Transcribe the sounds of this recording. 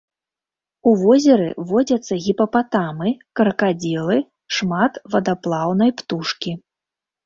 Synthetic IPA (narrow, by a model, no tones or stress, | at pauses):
uvɔzʲɐɾɨ̰vɔd͡zʲɐt̪sːɐɣʲipɐpat̪amɨkɐɾɐkad͡zʲɛlˠɨ | ʂmat̪vɐd̪aplˠawnɐjpt̪uʂkʲi